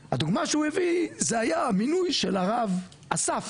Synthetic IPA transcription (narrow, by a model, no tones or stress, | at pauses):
had̪uɡmaʃeuevizehajaminujʃelaʁav | ʔasaf